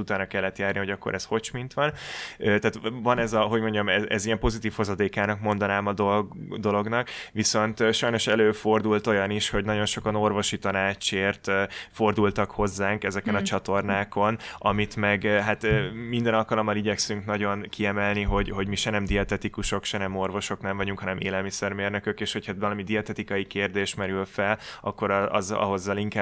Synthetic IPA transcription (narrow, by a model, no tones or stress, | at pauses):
ut̪aːnɾɒkɛlːɛt̪jaːrniho̞ɟɒkːoɾʔɛsho̞t͡ʃmint̪ʋɒnøt̪aːt̪vɒnɛzɒɦo̞ɟmo̞ɲɟɒmɛɛzijɛmpo̞zit̪iːfhozɒd̪eːkaːnɒkmo̞nd̪ɒnaːmɒd̪od̪o̞lo̞ɡnɒkʋiso̞nt̪ʃɒjno̞ʃɛløːfo̞rd̪ult̪o̞jɒniʃho̞ɟnɒɟo̞nʃo̞kɒno̞rʋo̞ʃit̪ɒnaːt͡ʃeːrt̪fo̞rd̪ult̪ɒkho̞zːaːŋkɛzɛkɛnɒt͡ʃɒt̪o̞rnaːko̞nɒmit̪mɛɡɦat̪ːmind̪ɛnɒlkɒlo̞mːɒliɟɛksyŋknɒɟo̞nkʰiɛmɛlniɦo̞ɟɦo̞ɟmiʃɛnɛmd̪iɒt̪ɛt̪ikuʃo̞kʃɛnɛmo̞rvo̞ʃo̞knɛɱvɒɟuŋkhɒnɛmʔḛːlɛlmisɛrmeːrnø̞køkeːʃho̞cʰhɒvɒlɒmid̪iɒt̪ɛt̪ikɒjikeːrd̪eːʃmɛɾylfɛlɒ̰kːo̞ɾɒ̰zɒ̰ɦo̞zːɒliŋka